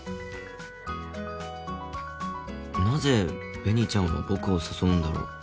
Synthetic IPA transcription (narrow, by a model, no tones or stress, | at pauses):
naze̞b̥e̞ɲ̟it͡ɕãɰ̃βa̰bo̞kɯ̟osɨsõ̞nd̪aɾo̰